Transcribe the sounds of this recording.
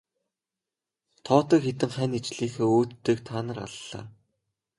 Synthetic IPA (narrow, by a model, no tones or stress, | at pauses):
t̪ʰɔːt̪ə̆kxet̪ɘ̆ŋχæːnit͡ɕɮiːxeːoːt̪ːeːkt̪ʰaːnə̆ra̰ɮːa̰ː